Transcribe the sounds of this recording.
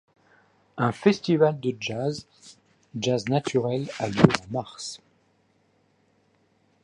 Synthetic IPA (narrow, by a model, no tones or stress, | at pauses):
ɛ̃fɛst̪ivald̪əd͡ʒaz | d͡ʒaznat̪ʰyʁɛlaljøamaʁs